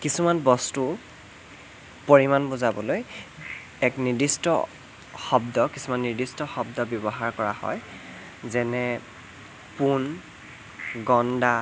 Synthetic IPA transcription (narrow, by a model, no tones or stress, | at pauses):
kisumanbɔstu | poɹimanbʊzabɔloj | ɛknidistɔ | xɔbdɔkisumanːidistɔxɔbdɔbjɔbɔɦaɹkɔɹahɔ̰j | zɛnɛ | pun | ɡɔnda